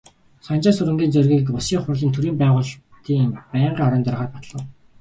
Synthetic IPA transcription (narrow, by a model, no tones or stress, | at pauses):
sɔnt͡ɕaːsɵɾɘ̆ŋɡʲiːnt͡sœrɣʲiːkʊsiːŋχʊrɮiːnt̪ʰuɾiːmpæːʁʊːɮt̪iːŋpæɴɢiːɔɾɞ̆ːnt̪œrʁaːrpat̪ɮə̆w